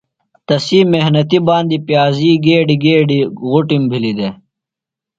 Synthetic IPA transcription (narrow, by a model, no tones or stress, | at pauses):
t̪ɐsiːmehnɐt̪ibaːnd̪ipjaːziːɡeːɖiɡeːɖiɣuʈimbʱilid̪e